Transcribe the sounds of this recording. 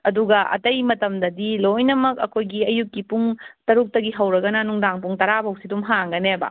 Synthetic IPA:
ɐduɡɐʔɐ̰tɐjmɐtɐmdɐdilojnɐmɐkɐkʰojɡiɐjukːipuŋtɐɾuk̚tɐɡiɦɐwɾɐɡɐnɐnuŋdaŋpuŋtɐɾabɐwsidumɦaŋɡɐnebɐ̰

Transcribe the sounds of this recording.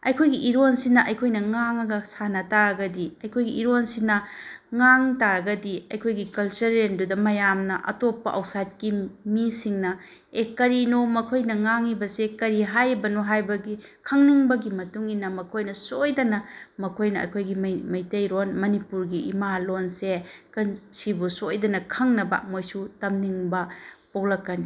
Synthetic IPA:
ɐ̰jkʰojɡiʔiɾonsinɐʔɐjkʰojnɐŋaŋɐɡɐsanɐtaɾɐɡɐdiɐjkʰojɡiiɾonsinɐŋaŋtaɾɐɡɐdiɐjkʰojɡikɐlt͡ʃɐɾːendudɐmɐjamnɐʔɐ̰topːɐ̰ʔawsajt̚kimisiŋnɐ | ekɐɾinomɐkʰojnɐŋaŋibɐsekɐɾiɦajbɐnoɦajbɐɡikʰɐŋniŋbɐɡimɐtuŋinɐmɐkʰojnɐsojdɐnɐmɐkʰojnɐɐ̰jkʰojɡimmɐjtɐjɾonmɐnipuɾɡiḭmalonsekɐnsibusojdɐnɐkʰɐŋnɐbɐ̰mojsutɐmniŋbɐpok̚lɐkːɐni

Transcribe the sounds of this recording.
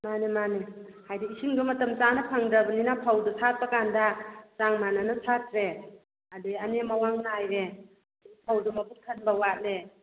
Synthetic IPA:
manemane | hajdiisiŋdumɐtɐmt͡ʃanapʰaŋdɾabɐninapʰawdusʰat̚pakandat͡ʃaŋmananasʰat̚ɾe | adianemawaŋnajɾe | dpʰawdumɐpʰukʰanbawat̚le

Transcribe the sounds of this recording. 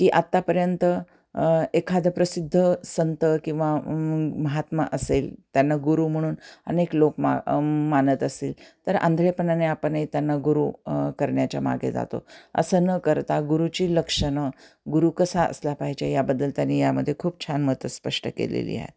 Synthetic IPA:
kiːʔat̪ːapəɾjənt̪ə | ekʰad̪əpɾəsid̪ʱːəsənt̪əkĩw̃ʋaməɦat̪ma̰ʔəseːlt̪janːaɡuɾuːm̤əɽ̃uːnə̰neklokmamanət̪əsiːlt̪əɾa̰nd̪ʱɾepənaneapənit̪janːaɡuɾukəɾɳjat͡ɕja̰ma̰ɡʱḛd͡za̰t̪o̰ə̰sənəkəɾt̪aɡuɾut͡ɕiːləkʂənə | ɡuɾuːkəsaʔə̰slapaɦit͡ɕajabəd̪ːəlt̪janːijaməd̪ʱːjekʰuːb̚t͡ɕʰanmət̪əspəʂʈəkḛlḛlḭːa̰ɦḛt̪

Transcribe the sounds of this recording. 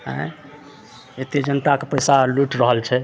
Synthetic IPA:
ɦɛ̰̃ | et̪ed͡ʒənt̪akepəjsaluʈɾəɦəlt͡ʃʰɛ

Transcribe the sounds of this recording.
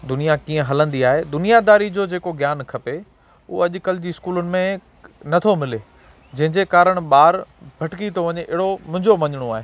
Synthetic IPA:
d̪ʊnijakiːə̃ɦɐlə̃nd̪iaːɦed̪ʊnijad̪aːɾid͡ʑoːd͡ʑeːkoɡʱjaːnkʰɐpe | uɐʄʊkəld͡ʑiɪskuːlʊnɪ̆mẽ | nɐt̪ʰomɪle | d͡ʑɐ̃ɦɪ̃ɲd͡ʑekaːɾəɽ̃ɓaːɾbʱɐʈkit̪ʰoʋɐɲeʔɪɦɽomʊ̃ɦɪ̃ɲd͡ʑomɐɲɪɽ̃oaːɦeː

